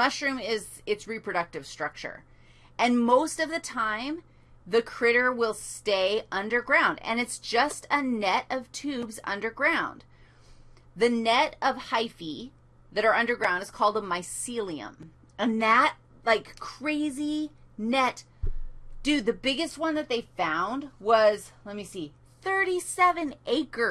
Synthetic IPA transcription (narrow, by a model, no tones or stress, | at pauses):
ʌʃɹʉ̃mɪz | ɨtsɹipʰɹ̥ɨɾʌk̚tɨv̥stɹ̥ʌk̚t͡ʃə̰˞ | ʔɨ̃nmoʊstʌvðɨtʰãɪ̃m | ðɨkʰɹ̥ɪɾə˞wɪlˠsteɪʌ̃ndə˞ɡɹãʊ̃ndɨ̰̃nɨtsd̥ʒ̥ʌstɨnɛɾʌv̥tʰʉbzʌ̰̃ndə˞ɡɹãʊ̃n | ðɨnɛɾʌv̥haɪfi | ðɨɾə˞ʌ̃ndə˞ɡɹãʊ̃ndɨz̥kʰɔlˠd̪̚əmaɪsilˠiɨ̰̃m | ɨ̃nðət̚ | laɪkʰɹ̥eɪzinɛt | d̥ʉðɨbɪɡɨst̚wʌ̃nðɨt̪̚ðeɪfãʊ̃nd̚wʌz̥lɛt̚misi | θɜ˞ɾisɛvɨ̃nʔeɪkə˞